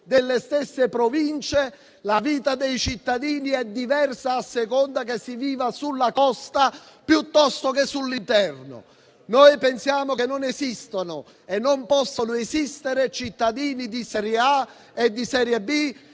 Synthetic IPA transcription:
d̪elːest̪esːepɾovint͡ʃe | laviːt̪ad̪ejt͡ʃit̪ːad̪iːniɛd̪ːivɛrsaːsːekɔnd̪akesːiviːvasulːakɔst̪a | pjut̪ːɔst̪okesːulːint̪ɛrnʊ̰ | nojpensjaːmʊkenːonɛzist̪onʊ | ɛnːompɔsːonʊɛzist̪ɪɾet͡ʃit̪ːad̪iːnid̪isɛɾjea | ɛd̪ːisɛːɾjɛbi

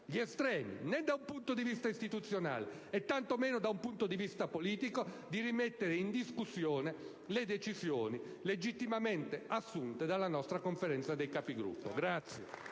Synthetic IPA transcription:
ʎiɛst̪ɾɛːmḭnɛd̪aumpunt̪od̪ivist̪aist̪it̪ut̪sːjona̰ːlḛ | ɛt̪ːant̪omeːnod̪aumpunt̪od̪ivist̪apoliːt̪iko | d̪irimɛt̪ːeɾeind̪iskusːjoːne | led̪et͡ʃisjoːni | led͡ʒit̪ːimamɛnt̪easːunt̪ed̪alːanɔst̪ɾakoɱfeɾɛnt̪sad̪ejkapiɡɾṵpːo̰ɡɾat̪sːje

